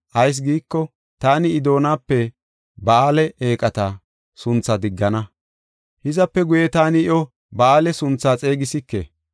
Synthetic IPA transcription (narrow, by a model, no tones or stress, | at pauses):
ʔɐjs̬ɡiːkːɔ | t̪aːnɪːd̪o̞ːnaːpːɛ | bɐaːlɛeːkʼɐt̪ɐ | sʊnt͡sːɐd̪ɪɡːɐnɐ | hɪzɐpːɛɡʊjɛt̪aːnɪɪjɔ | bɐaːlɛsʊnt͡sːaːt͡sʼe̞ːɡɪsɪkːḛː